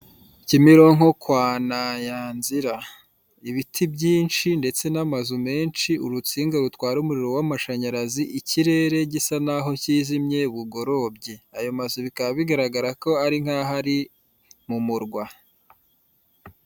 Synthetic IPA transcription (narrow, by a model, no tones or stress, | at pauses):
cimiɾo̞ŋ̥ho̞kwaːnajaːnziɾa | iβitʰibɟiːnt͡ʃinde̞t͡se̞namazume̞ːnʃiuɾut͡siːŋɡaɾutwaːɾumuɾiɾo̞wamaʃaɲaɾaziʔiciɾe̞ɾe̞ɟisanaɦo̞ciːzimɲe̞βuɡoɾo̞bɟeajo̞mazuβikaβiɡaɾaɡaɾako̞aɾiŋ̥haːɦaɾi | mumuɾɡwa